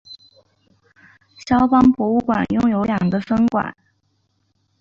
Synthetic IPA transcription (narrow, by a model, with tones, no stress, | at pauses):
ɕjɑ˥ʊpɑ˥ŋpwɔ˧˥u˥˩kwa̰˨˩njʊ˥˩ŋjo˧˥ʊljɑ˨˩ŋɡə˦fə˥ŋkwa̰˨˩˦n